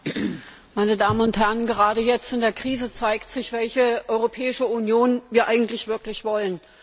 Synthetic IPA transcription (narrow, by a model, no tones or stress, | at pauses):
maɪnədaːmənʊnthɛɐənɡəʁ̞aːdəjɛt͡stɪndeːɐkʁ̥iːzət͡saɪktz̥ɪçv̥ɛlçəʔɔʏʁopʰɛːɪʃəunjoːnviːɐʔaɪɡŋ̩tlɪçv̥ɪɐklɪçv̥ɔlən